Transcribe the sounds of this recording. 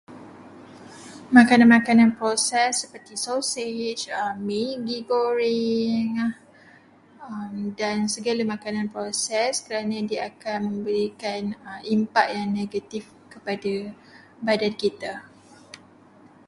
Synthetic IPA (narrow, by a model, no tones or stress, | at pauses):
mãkanãnmãkanãnpɾosɛsːəpərt̪isoset͡ʃəmːiɡiɡoɾiŋa | əmdansəɡalamãkanãnpɾosɛskəɾanãdiaakanmə̃mbəɾikanəimpaʔ̚jaŋneɡat̪if | kəpada | badankit̪a